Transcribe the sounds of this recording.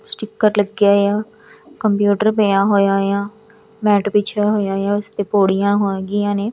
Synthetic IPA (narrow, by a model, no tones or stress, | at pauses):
sʈɪkːəɾləɡːjaːejaː | kəmpjuːʈəɾbəjãːɦoːjaːjãː | mɛːʈpɪt͡ʃʰaːɦoːjaːjaːʊst̪eːpoːɽijãːɦoːɡɪjãːneː